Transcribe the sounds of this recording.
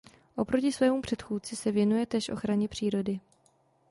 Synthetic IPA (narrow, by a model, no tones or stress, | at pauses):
ʔo̞pɾo̞cɪsvɛːmupr̝̥ɛt̪xuːtt͡sɪsɛvjɛnujɛt̪ɛːʃʔo̞̰xɾaɲɛpr̝̥iːɾo̞dɪ